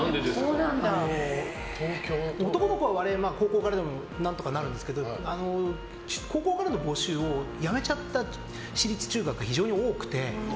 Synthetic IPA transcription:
soːnãnd̪ano | t̪ʰokʲoːot̪o̞kono̞kɯβaβaɾe̞maːko̞ːko̞ːkaɾad̪e̞mo̞ | nãnt̪o̞kanaɾɯ̟nd̪esɨ̥ke̞d̪o̞ano̞ | t͡ɕkʰo̞ːko̞ːkaɾano̞bo̞ːɕɨːo̞jame̞t͡ɕat̪ːa | ɕiɾʲit͡sɨ̥t͡ɕɨːɡakɯ̟ɡaçiʑo̞ːɲ̟io̞ːkɯ̟̥t̪e̞

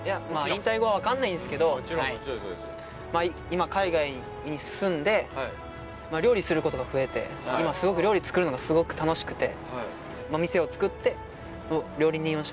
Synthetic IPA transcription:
jamaĩnt̪aiɡo̞βaβakãnːaĩnd̪sɨ̥ke̞d̪o̞a | mai | imakaiɡai | ɲ̟isɨ̃nd̪e̞ | maɾʲo̞ːɾʲisɨɾɯ̟ko̞t̪o̞ɡaɸɯ̟e̞t̪e̞̰ | imasɨɡo̞kɯ̟ɾʲo̞ːɾʲit͡sɨ̥kɯ̟ɾɯ̟noɡasɨɡo̞kɯ̟̥t̪ano̞ɕi̥kɯ̟̥t̪e̞̰ | mamʲise̞o̞t͡sɨ̥kɯ̟t̪ːe̞ | noɾʲo̞ːɾʲiɲ̟iiãɕ

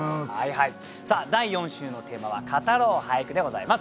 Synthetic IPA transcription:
haihai | saːd̪aijõ̞ɰ̃ɕɨːno̞t̪e̞ːmaβa̰kʰat̪aɾo̞ːhajakɯ̟d̪e̞ɡo̞zaimasɨ̥

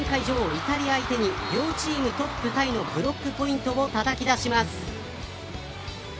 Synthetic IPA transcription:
ẽŋkaiʑo̞ːit̪aɾʲiaːit̪e̞ɲ̟iɾʲo̞ːt͡ɕiːmɯ̟t̪o̞pːɯ̟t̪aino̞bɯ̟ɾo̞kːɯ̟po̞ĩnt̪o̞o̞t̪at̪akʲid̪aɕimasɨ̥

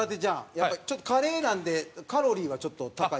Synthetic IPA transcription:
at̪ːed͡ʑajapːat͡ɕo̞t̪ːo̞kaɾe̞ːnãnd̪e̞kaɾo̞ɾʲiːβat͡ɕo̞t̪ːo̞t̪aka

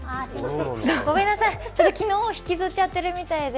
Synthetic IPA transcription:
oɡo̞mẽ̞nːasait͡ɕot̪ːokʲino̞ːçi̥kʲizɨt͡ɕat̪ːe̞ɾɯ̟mʲit̪aid̪e

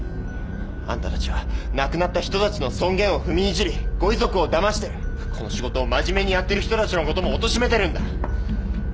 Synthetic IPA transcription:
ã̰nt̪at̪at͡ɕiβanakɯ̟nat̪ːaçi̥t̪o̞t̪at͡ɕino̞sõ̞ŋɡẽ̞ɰ̃o̞ɸɯ̟mʲiːʑiɾʲiɡ̥o̞izo̞kɯ̟o̞d̪amaɕi̥t̪e̞ɾɯ̟ | kʰo̞no̞ɕiɡo̞t̪o̞ːmaʑime̞ɲ̟ijat̪ːe̞ɾɯ̟çi̥t̪o̞t̪at͡ɕino̞ko̞t̪o̞mo̞ːt̪o̞ɕime̞t̪e̞ɾɯ̟̃nd̪a

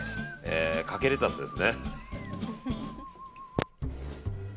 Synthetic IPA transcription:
ekake̞ɾet̪at͡sɨd̪e̞sɨne

